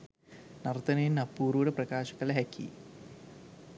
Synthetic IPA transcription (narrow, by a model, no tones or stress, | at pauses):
nɐrt̪ɐnɐjinnɐpːuːruːɽeprɐkaːɕɐɣɐleɦɐkːḭ